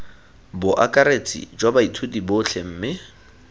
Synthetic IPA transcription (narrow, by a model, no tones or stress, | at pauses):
bʊʔakʼaɾet͡sʼḭd͡ʒwabaitʰʊdibʊt͡ɬʰem̩ːmɪ